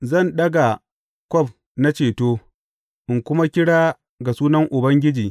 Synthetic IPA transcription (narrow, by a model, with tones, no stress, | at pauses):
zɐ˦˨nɗɐ˦ɡa˨ | kʷɔ˦ɸ̚ | na˦t͡ʃeː˨toː˦ | ʔɪ˨ŋkʷʊ˦ma˦kʲɪ˦ɽaː˦ | ɡa˨suː˦nɐ˦ŋʔʊ˨bɐ˦ŋɡʲɪ˦d͡ʒiː˨